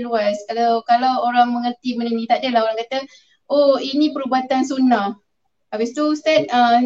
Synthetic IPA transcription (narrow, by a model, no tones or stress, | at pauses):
luaskalawkalawoɾaŋməŋərt̪imənənĩt̪aʔdəlahoɾaŋkat̪ə | ʔoinĩpəɾubat̪ansunah | abɪst̪ust̪ɛnə